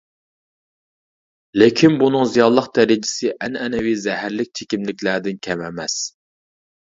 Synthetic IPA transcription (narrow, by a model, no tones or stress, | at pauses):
lekʲʰinbunɨŋzijɑlˠlˠəqd̪æɾɪd͡ʒɪ̥sɪʔɛnɛnɛwizɛhæɾlɪk̚ʲt͡ʃʰekʲimlɪkʲlæɾd̪ɪnkʲʰɛmɛmɛs